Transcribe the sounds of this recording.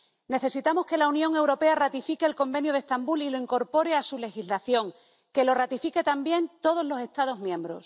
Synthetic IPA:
ne̞θe̞sit̪amo̞ske̞launjõ̞ŋe̞wɾo̞pe̞arat̪ifike̞ːlko̞mbe̞njoð̞e̞st̪ambulilo̞iŋko̞ɾpo̞ɾe̞asule̞xizlaθjo̞ŋ | ke̞lo̞rat̪ifike̞t̪ambje̞nt̪o̞ð̞o̞zlo̞se̞st̪aðo̞zmjẽ̞mbɾo̞̰s

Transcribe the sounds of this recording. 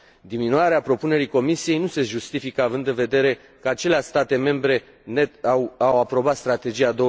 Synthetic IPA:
d̪iminuaɾeapɾo̞pune̞ɾiko̞misije̞jnuse̞ʒust̪ifikəavɨnd̪ɨnve̞d̪e̞ɾe̞ | kəat͡ʃe̞leaʃst̪at̪e̞me̞mbɾe̞ | net̪awawapɾo̞bat̪st̪ɾat̪e̞d͡ʒijad̪o̞

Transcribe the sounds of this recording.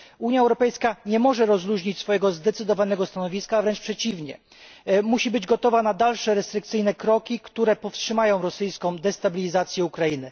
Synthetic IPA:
uɲjaɛwɾɔpɛjskaɲɛmɔʐɛɾɔzɾuʑɲit͡ɕsfɔjɛɡɔzd̪ɛt̪sɘd̪ɔvanɛɡɔst̪anɔvʲiskavɾɛnt͡ʂpʂɛt͡ɕivɲɛ̰ | muɕibɘd͡ʑɡɔt̪ɔvanad̪alʂɛɾɛst̪ɾɘk̚t̪sɘjnɛkɾɔkʲikt̪uɾɛpɔfstʂɘmajɔ̃w̃ɾɔsɘjskɔ̃w̃d̪ɛst̪abʲilʲizat̪sʲjɛukɾajinɘ

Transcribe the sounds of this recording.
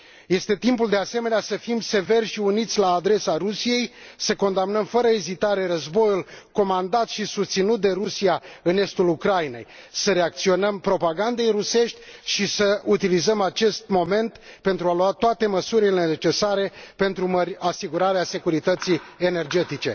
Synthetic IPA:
jest̪e̞t̪impuld̪e̞ase̞me̞neasəfimse̞ve̞rʲʃiunit̪sʲlaːd̪ɾe̞saɾusije̞jsəko̞nd̪amnəmfəɾəezit̪aɾe̞rəzbo̞julko̞mand̪at̪ʃisust̪sinut̪̚d̪e̞ɾusijaɨne̞st̪ulukɾajine̞̰j | səɾe̞ak̚t̪sio̞nəmpɾo̞paɡand̪e̞jɾuse̞ʃt̪ʲʃisəut̪ilizəmat͡ʃe̞st̪mo̞me̞nt̪pe̞nt̪ɾualuat̪oat̪e̞məsuɾilennet͡ʃe̞saɾe̞pe̞nt̪ɾuməɾʲasiɡuɾaɾease̞kuɾit̪ət̪siene̞rd͡ʒe̞t̪it͡ʃe̞̰

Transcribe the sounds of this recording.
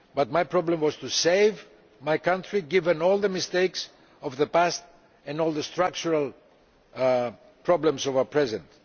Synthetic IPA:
bat̪̚majpʰɹɔblə̃mwɔz̥t̪useɪv | majkãntɹiɡivɛ̃nɔlˠðəmɪst̪eɪks | ɔvðəpæst̪ | ɛ̃nɔlˠðəst̪ɾak̚t͡ʃuɹalˠ | pʰɹɔblə̃msɔvapʰɹɛzɛ̃nt

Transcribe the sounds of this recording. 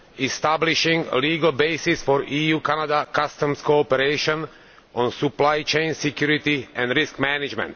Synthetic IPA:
ist̪abliʃĩŋə̰liːɡəlbeɪsɪsfɔɹʔiːjuːkanad̪akast̪ə̃mskoɔpɛɾeɪʃɔ̃n | ɔ̃nsuplajt͡ʃẽɪnsɛkjuɾɪt̪iʔɛ̃nd̪ɾɪskmænɪd͡ʒmɛ̰̃nt̪

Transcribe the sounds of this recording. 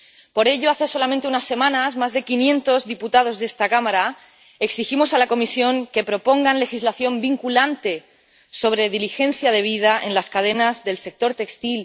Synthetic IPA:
po̞ɾe̞ʎo̞aθe̞so̞lamẽnt̪eunasːe̞mãnazmazðe̞kinjẽ̞nt̪o̞zðiput̪að̞o̞zðe̞st̪akamaɾa | e̞ksiximo̞salako̞misjo̞ŋke̞pɾo̞po̞ŋɡanle̞xizlaθjo̞mbiŋkulant̪e̞ | so̞β̞ɾe̞ðilixẽ̞nθjað̞e̞β̞ið̞aʔe̞nlaskað̞e̞nazðe̞lse̞k̚t̪o̞ɾt̪e̞kst̪il

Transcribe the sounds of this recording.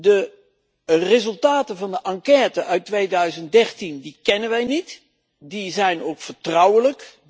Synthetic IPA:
də | rɪzɵlˠtaːtənvɑndəʔɑŋkɛːtəʔœɥtʋejdœɥzəntdɛrtindikɛnənʋɛjnit | dizɛjnowkfəɹtrɑwələk

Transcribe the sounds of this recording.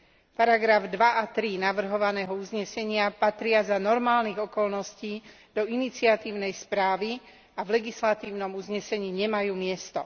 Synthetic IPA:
paɾaɡɾavd̪ʋaʔat̪ɾinaʋr̩ɦɔʋanɛːɦɔuzɲɛsɛɲɪapat̪ɾɪazanɔɾmaːlniːɣɔkɔlnɔsciː | d̪̥ɔinit͡sɪat̪iːʊnɛjspɾaːʋi | avlɛɡislat̪iːʊnɔmuzɲɛsɛɲiːɲɛmajuːmɪɛst̪ɔ̰

